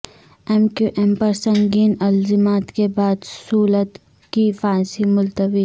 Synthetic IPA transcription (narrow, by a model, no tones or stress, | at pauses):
ɛmkuʔɛmpɐɾsɐ̃ŋɡiːnɐlzɪmaːt̪kebaːd̪suːlət̪ | kifaːsimʊlt̪əbi